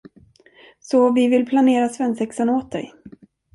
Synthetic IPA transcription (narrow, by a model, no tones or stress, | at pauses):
sɔvɪvɪlpʰlaneːɾasvɛnsɛksənoːt̪̚d̪ɛ̰j